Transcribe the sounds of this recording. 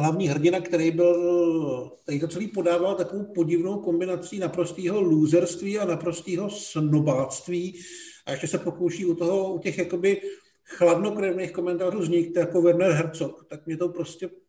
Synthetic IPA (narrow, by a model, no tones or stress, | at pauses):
ɦlavɲiːɦr̩ɟɪnakt̪ɛɾɛjbɪl | t̪ɛɾiːt̪ot͡sɛliːpo̞daːvalt̪akovowpo̞ɟɪvnowko̞mbɪnat͡siːnapɾost̪iːɦo̞luːzɛɾst̪viːanapɾo̞st̪iːɦo̞snobaːst̪viːʔaɛʃcɛsɛpo̞kowʃiːut̪o̞ɦo̞ucɛxjako̞bɪ | xladno̞kɾɛvnexko̞mɛnt̪aːɾuːzɲɪk̚t̪jakovɛɾnɛɾɦɛɾt͡sokt̪ak̚mɲɛt̪opɾoscɛ